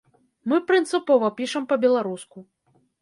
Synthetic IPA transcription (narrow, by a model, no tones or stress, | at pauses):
mɨpɾɨnt̪sɨpɔvɐpʲiʂɐmpɐbʲɛlˠaɾusku